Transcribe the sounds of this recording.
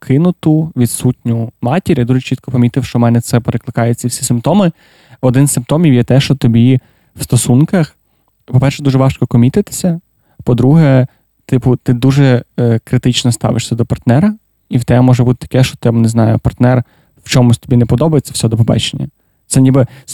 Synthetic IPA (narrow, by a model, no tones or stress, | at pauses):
kʰɪnʊt̪ʊʋʲid̪sutʲnʲʊmɑtʲiɾʲjad̪uʒɛt͡ʃit̪̚kɔpɐmʲit̪ɪwʃt͡ʃɔmɛnɛt̪sɛpeɾeklˠɪkɑjʊt͡sʲːɐwsʲi̥sɪmpt̪ɔmɪ | ɔd̪ɪnsɪmpt̪ɔmʲiwjɛt̪ɛʃt͡ʃɔt̪ɔbʲi | wst̪ɔsunkɐx | pɔpɛrʃɛd̪uʒɛʋɑʃkɔkɔmʲit̪ɪt̪ɪ̥sʲɐ | pɔd̪ɾuɦɛ | t̪ɪpʊt̪ɪd̪uʒɛkɾɪt̪ɪt͡ʃnɔst̪ɑ̰ʋɪʃsʲɐd̪ɔpɐrt̪nɛɾɐ | iwt̪ɛmɔʒɛbut̪ɪ̥t̪ɐ̥kɛʃt͡ʃɔ̥t̪ɪbneznɑjʊ̰pɐrt̪nɛr | wt͡ʃɔmʊsʲt̪ɔ̥bʲinɛpɔd̪ɔbɐjet͡sʲːɐ̥wsʲɛd̪ɔpɔbɑ̰t͡ʃenʲːɐ̰ | t̪sɛnʲibɪ